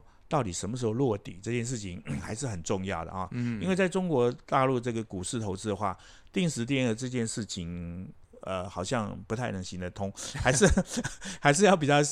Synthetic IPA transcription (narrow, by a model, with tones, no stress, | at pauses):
t̪ɑ˥˩ʊt̪i˨˩ʂə˧˥nm˧ʂ̬̩˧˥xo˧ʊlwɔ˥˩t̪ḭ˨˩˦ʈ͡ʂɤ˥˧t͡ɕjɛ˥˧nʂ̬ɻ̩˥˩t͡ɕʰi˧˦ŋxa˧˥ɪʂɻ̩˥˩xə˨˩nʈ͡ʂʊ˥˧ŋjɑ˥˩ʊd̪ə̰˩xɑ̰˧˩i˥nwe˥˧ɪt͡sa˥˩ɪʈ͡ʂʊ˥ŋkwɔ˧˥t̪a˥˧lu˥˧ʈ͡ʂɤ˥˩ɡə˩ku˨˩ʂɻ̩˥˩t̪ʰo˧˥ʊt͡sɹ̩˥d̪ə˩xwa̰˥˩ | t̪i˥˩ŋʂɻ̩˧˥t̪̬jd̪ə˩ʈ͡ʂɤ˥˧t͡ɕjɛ˥˧nʂɻ̩˥˩t͡ɕʰi˧˥ŋ | ə̰˧xɑ˨˩ʊɕjɑ˥˧ŋpu˧˥t̪ʰa˥˩ɪnɤ˧˥ŋɕi˧˥nd̪ə˨t̪ʰʊ˥ŋxa˧˥ɪʂɻ̩˥˧xa˧˥ɪʂɻ̩˥˧jɑ˥˩ʊpi˨˩t͡ɕjɑ˥˧ʊ